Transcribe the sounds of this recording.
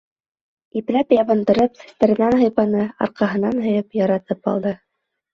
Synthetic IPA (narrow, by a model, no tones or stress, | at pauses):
iplæpjɑβɤ̆nd̪ɤ̆ɾɤpsɘ̥̆st̪æɾɘ̆nænɦɤ̆jpɑnɤɑ̰ɾqɑɦɤ̆nɑnɦɤ̆jɤpjɑɾɑt̪ɤpɑ̰lˠd̪ɤ